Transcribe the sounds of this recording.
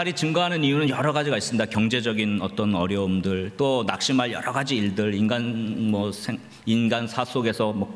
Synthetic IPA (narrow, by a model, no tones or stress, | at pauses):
aɾit͡ɕɯŋɡaɦanɯnijunɯnjʌɾʌɡad͡ʑiɡais͈ɯmidakjʌŋd͡ʑe̞d͡ʑʌɡinʌt͈ʌnʌɾjʌɯmdɯɭt͈onak̚ɕ͈imɦaɭjʌɾʌɡad͡ʑiːɭdɯɭinɡanmʌsʰe | inɡansʰasʰoɡe̞sʰʌmʌ